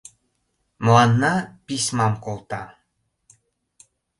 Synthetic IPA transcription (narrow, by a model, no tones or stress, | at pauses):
mlɑnːɑpismɑmkolˠt̪ɑ